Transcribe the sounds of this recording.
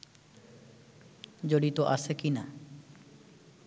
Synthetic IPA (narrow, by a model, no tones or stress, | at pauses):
d͡ʑoɽit̪oʔasekina